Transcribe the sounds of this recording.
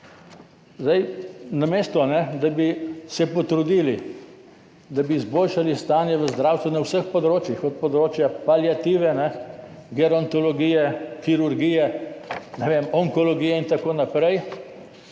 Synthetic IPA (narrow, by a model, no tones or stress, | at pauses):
zd̪ajnamest̪ɔnɛd̪abisɛpɔt̪ɾud̪iːli | d̪abiːzboːlʃalist̪aːnjɛʋəzd̪ɾaːwst̪ʋɛnawsəxpɔd̪ɾoːt͡ʃjixɔt̪̚pɔd̪ɾoːt͡ʃjapaljat̪iːʋɛnɛɡɛɾɔnt̪ɔlɔɡiːjɛkiɾuɾɡiːjɛnɛʋemɔŋkɔlɔɡiːjɛint̪akoːnapɾɛj